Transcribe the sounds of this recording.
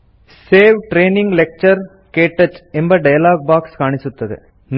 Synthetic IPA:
seːʋʈɾeːnɪŋɡlɛk̚t͡ʃɐɾ | keːʈːɐt͡ʃːɛmbɐɖɐjɐlaːɡ̚baːkskaːɳɪsɯt̪ːɐðɯ̰ | n

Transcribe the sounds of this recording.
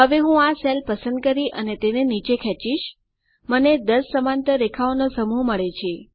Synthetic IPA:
ɦəʋeɦũaselpəsənd̪̚kəɾiʔənet̪enenit͡ʃekʰɛ̃t͡ʃiʃ | məned̪əsːəmãnt̪əɾekʰaonosəmuɦməɭet͡ʃʰe

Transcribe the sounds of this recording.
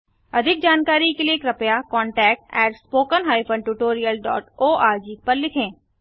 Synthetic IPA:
əd̪ʱɪk̚d͡ʒaːnkaːɾikeliekɾəpjaːkɔːɳʈɛːk̚ʈɛːʈspoːkənɦaːɪpʰə̃ɳɖʈuːʈoːɾijəlɖɔ̰ːʈoːʔaːɾd͡ʒiːk̚pəɾlɪkʰẽː

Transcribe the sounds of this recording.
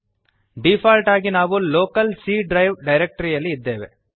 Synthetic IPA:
ɖiːfaːlʈaːɣinaːʋɯloːkɐlsiːɖɾɐɪʋɖɐɪɾɛk̚ʈɐɾijɐlːiːd̪ːeːʋe

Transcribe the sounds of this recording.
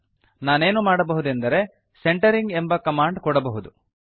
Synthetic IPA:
naːne̞ːnumaːɽɐbɐɦud̪end̪ɐɾe̞ | seɳʈɐɾiŋɡembɐkɐmaːɳɖkɔɽɐbɐɦud̪u

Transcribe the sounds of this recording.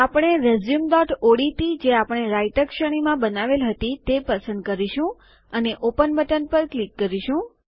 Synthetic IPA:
apəɽ̃eɾezjumd̪ɔʈʰoɽit̪id͡ʒeapəɽ̃eɾajt̪əkʃəɽ̃imãbənaʋelɦət̪it̪epəsə̃nd̪̚kəɾiʃũ | əneʔopənbəʈənpəɾklikːəɾiʃũ

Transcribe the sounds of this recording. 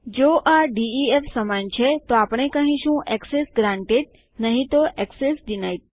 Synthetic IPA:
d͡ʑoːʔaɖiiefsɐmant͡ɕʰɛt̪oaːpɽ̃ekɐ̃ɦĩʃũʔɛksesɡɾãːɳʈeɖ̚ | nɐɦĩt̪oʔɛksesɗɪnaːit̪̚

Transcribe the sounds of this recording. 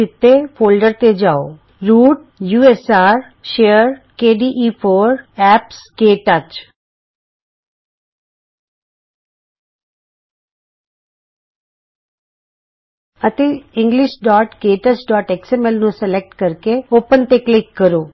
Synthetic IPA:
ɪt̪ːeːpʰoːlɖəɾt̪ed͡ʒaːo̰ː | ɾuːʈ | juːɛsaːɾ | ʃeːəɾkeːɖiːʔiːpʰoːɾɛːpskeːʈət͡ʃ | ət̪eːɪ̃ŋɡlɪʃɖaːʈkeːʈət͡ʃɖɔːʈɛksɛːmɛːlnũsəlɛk̚ʈkəɾkeoːpənt̪eːklɪkːəɾoː

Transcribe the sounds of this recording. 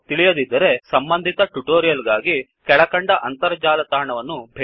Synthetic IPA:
t̪iɭijɐd̪id̪ːɐɾe̞sɐmbɐnd̪ʱit̪ɐʈuʈoːɾijɐlɡaːɡi | kɛɭɐkɐɳɖɐʔɐnt̪ɐɾɐd͡ʒaːlɐt̪aːɳɐʋɐnːubʱe

